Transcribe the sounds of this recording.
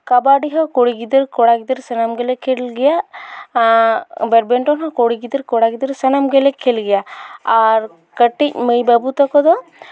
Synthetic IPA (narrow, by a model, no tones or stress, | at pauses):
kabaɖiɦɔkɔɽiɡid̪əɾkɔɽaɡid̪əɾsanamɡɛlɛkʰɛlɡɛja | bɛɾbɛɳʈɔnɦɔkɔɽiɡid̪əɾkɔɽaɡid̪əɾsanamɡɛlɛkʰɛlɡɛjaaɾ | kəʈic̚məjbabut̪ɔkɔd̪ɔ